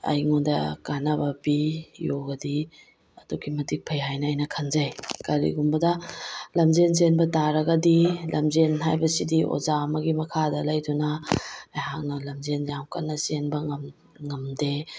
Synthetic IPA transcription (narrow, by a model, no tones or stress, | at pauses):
ɐ̰jŋundɐkanabɐbijoɡɐdi | ɐduɡimɐdik̚pʰejɦajnɐːjnɐkʰɐnzɐjkɐɾḭɡumbɐdɐlɐmzenz̬enbɐtaɾɐɡɐdilɐ̰mzenɦajbɐsidiʔo̰zamɐɡimɐkʰadɐlɐjdunɐajɦak̚nɐlɐmzenjawkɐtnːɐsenbɐŋɐm | ŋɐmde